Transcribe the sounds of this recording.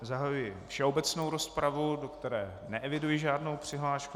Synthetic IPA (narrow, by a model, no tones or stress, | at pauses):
zaɦajujɪfʃɛo̞bɛt͡sno̞wɾo̞spɾavudo̞kt̪ɛɾɛː | nɛʔɛvɪdujɪʒaːdno̞wpr̝̥ɪɦlaːʃku